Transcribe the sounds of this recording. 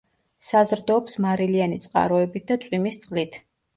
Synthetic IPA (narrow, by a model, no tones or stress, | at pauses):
sazɾd̪ɔːpsmaɾilianit̪sʼqʼa̰ɾɔɛbit̪̚d̪at̪sʼwimist̪sʼχqʼlit̪ʰ